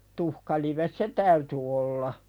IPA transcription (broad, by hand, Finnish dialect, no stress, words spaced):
tuhkɑliʋes se tæyty olːɑ